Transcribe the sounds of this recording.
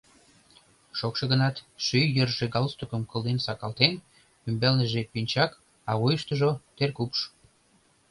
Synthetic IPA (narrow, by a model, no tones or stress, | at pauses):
ʃokʃɤ̆ɣənɑt̪ʃyjjərʒeɡɑlst̪okəmkəlˠd̪ensɑkɑlt̪en | ymbelnəʒepynʲt͡ɕɑk | ɑɣujəʃt̪əʒot̪erkupʃ